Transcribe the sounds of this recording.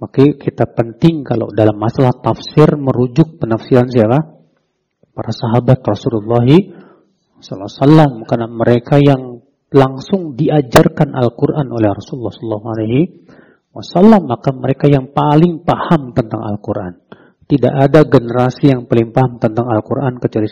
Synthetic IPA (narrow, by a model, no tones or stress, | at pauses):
makakit̪apənt̪ɪŋkala̰wdalamːasalaht̪afsɪrməɾud͡ʒʊk̚pənafsiɾansiapa | paɾasaɦabat̪rɔsululːɑɦi | sɔlːasalːamkanaməɾekajaŋ | laŋsʊŋdiad͡ʒarkanʔa̰lkurʔanʔolɛhrɔsululːɑhsɔlːaɦualajɦi | wa̰salːamːakaməɾekajaŋpalɪŋpahamt̪ənt̪aŋa̰lkuɾʔa̰n | t̪ida̰ʔadaɡənəɾasijaŋpalɪŋpaɦamt̪ənt̪aŋalkuɾʔankət͡ʃuali